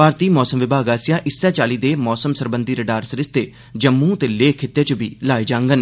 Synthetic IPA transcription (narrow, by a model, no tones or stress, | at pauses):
paːɾt̪iːmɔːsəmʋɪbʱaːɡaːsɪjãːʔɪsːɛːt͡ʃaːliːd̪eːmɔːsəmsəɾbənd̪iːɾəɖaːɾsɾɪst̪eː | d͡ʒəmːũːt̪eːleːkʰɪt̪ːjaːt͡ʃʊbʱiːlaːeːd͡ʒãːŋɡən